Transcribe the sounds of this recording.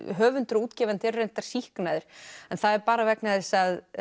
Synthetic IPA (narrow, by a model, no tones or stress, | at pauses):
ɦœːvʏnt̪ʏɾuːt̪cɛvɛnt̪ɪrrejn̥t̪aɾ̥sihknajðɪɾ̥ɛnθaðɛɾpaːɾavɛknaðɛsað